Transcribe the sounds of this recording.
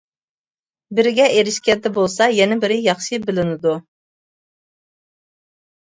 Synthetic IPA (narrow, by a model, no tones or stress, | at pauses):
bɪɾɪɡʲɛʔeɾɪʃkʲɛd̪ɛbolˠsɑjɛnɛbɪɾɪjɑχʃɨbɪlɪnɪd̪u